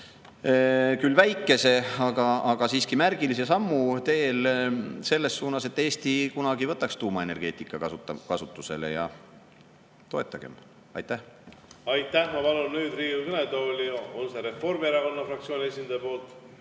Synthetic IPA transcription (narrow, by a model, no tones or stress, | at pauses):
kylːvæjkːˑe̞se̞ɑɡ̥ɑɑɡ̥ɑsiːskimærɡ̥ilis̬e̞sɑmːut̪e̞ːlse̞lːe̞sːuːnɑse̞t̪ːˑe̞ːst̪ikunɑɡivɤt̪ːˑɑkst̪uːmɑe̞ne̞rɡ̥e̞ːt̪ːˑikːˑɑkɑsut̪ːˑɑkɑsut̪ːˑuse̞le̞̰jɑ̰ | t̪o̞e̞t̪ˑːɑɡ̥e̞̰m | ɑ̰jt̪ˑːæhɑjt̪ːˑæhmɑpɑlunnyːd̪riːukɤned̪olʲiolseɾe̞fo̞rmeɾɑko̞nːɑfrɑk̚t̪sʲioːnʲiesʲind̪ɑjɑpo̞ːlt̪ˑ